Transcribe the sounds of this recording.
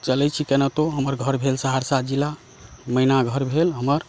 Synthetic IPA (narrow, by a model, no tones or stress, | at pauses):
t͡ʃəlɛt͡ʃʰikenət̪oɦəməɾɡʱəɾbʱelsəɦaɾsad͡ʒila | məinaɡʱəɾbʱelɦəməɾ